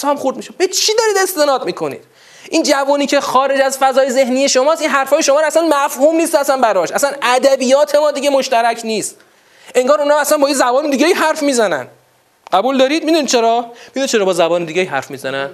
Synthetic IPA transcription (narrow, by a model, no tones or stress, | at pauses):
sɒmxuɾd̪miʃebet͡ʃʰiːd̪ɒɾiːd̪e̞st̪enɒːd̪̚miːkʰo̞nḭːd̪̥ | ʔind͡ʒævuːniːcʰexɒːɾe̞d͡ʒæzfæzɒːjeze̞hnije̞ʃomɒːsinɦæɾfɒːjeʃomɒːɾæsænmæfhuːmniːst̪æsænbæɾɒʃæsænæd̪æbiːjɒːt̪ʰemɒːd̪iɡemoʃt̪æɾæcʰniːst̪ | ʔe̞ŋɡɒːɾunɒːæsænbɒːjezæbɒːnid̪iːɡeiːɦæɾfmiːzænæ̰n | ɢ̥æbuːld̪ɒːɾiːd̪̚mid̪unid̪̚t͡ʃʰeɾɒːmid̪unid̪t͡ʃʰeɾɒːbɒːzæbɒːned̪iɟeiːɦæ̰ɾfmiːzænæn